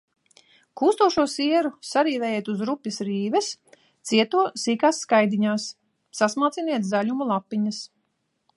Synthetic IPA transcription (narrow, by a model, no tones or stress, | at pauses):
kuːst̪uɔʃuɔsiɛɾusaɾiːvɛjɛt̪uzɾupːisɾiːvɛs | t̪siɛt̪uɔsiːkaːsːkajd̪iɲaːsː | asmaːt̪siniɛt̪zaʎumulˠapːiɲɐs